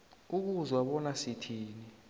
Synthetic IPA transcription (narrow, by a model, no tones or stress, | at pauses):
uk̬uzwaɓɔnasitʰiːni